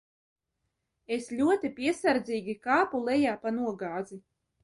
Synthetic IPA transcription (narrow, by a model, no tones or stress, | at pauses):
eslʲuɔt̪ipʲiɛsaɾd̪zʲiːɡʲikaːpulˠɛjaːpanuɔɡaːd̪zi